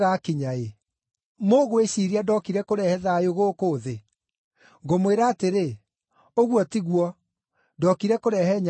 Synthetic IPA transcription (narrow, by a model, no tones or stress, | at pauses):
ɣakiɲae | moɣoeɕiɾiadɔkiɾɛkoɾɛhɛðajoɣoːkoːðe | ŋɡomoweɾaːteɾe | oɣwɔtiɣwɔ | dɔkiɾɛkoɾɛɦɛɲ